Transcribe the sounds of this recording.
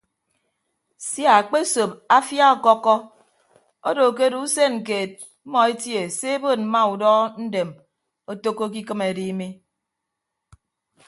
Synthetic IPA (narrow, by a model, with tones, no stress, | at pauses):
sja˨k͡pe˦so˨p̚a˦fja˦ɔ˨kɔ˦kːɔ˦ | o˦do˨ke˦du˦u˦se˦n̩˨k̬e˨t̚ | m̩˦mɔ˨e˦tje˨se˦e˦bo˦˨n̚m̩˦ma˦u˨dɔ˦n̩˦de˨m | o˦to˦kːo˦k̬i˦kɨ˦me˨di˦mi˦